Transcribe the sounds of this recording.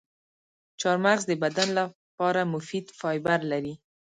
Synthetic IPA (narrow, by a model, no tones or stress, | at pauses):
t͡ʃɑɾmaɾzd̪əbad̪anla | pɑɾamʊfid̪fɑjbaɾlaɾi